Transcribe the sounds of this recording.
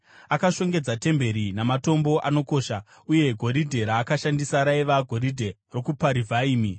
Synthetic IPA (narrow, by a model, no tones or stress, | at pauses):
akaʃo̞ŋɡe̞d͡zate̞mbe̞ɾinamato̞mbo̞ʔano̞ko̞ːʃa | uje̞ɡʱo̞ɾidʱe̞ɾaːkaʃandisaɾaiʋaɡʱo̞ɾidʱe̞ro̞kupaɾivʱaiːmi